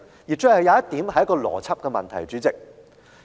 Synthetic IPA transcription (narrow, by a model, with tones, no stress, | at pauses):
ji˨t͡ʃœː˥hɐ˨jaː˨˦jɐ˥t̪iː˨˥mhɐ˨jɐ˥kɔː˧lɔ̰ː˨˩t͡sʰɐ˥p̚kɛː˧mɐ̰˨nt̪ʰɐ̰˨˩jt͡ʃyː˨˧˥t͡sɪ˨k̚